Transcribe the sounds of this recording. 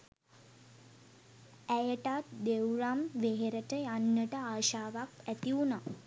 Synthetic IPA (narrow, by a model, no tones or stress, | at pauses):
æjəʈat̪d̪ewɾamʋeɦeɾəʈəjanːəʈəaːʃaːʋakæt̪iuna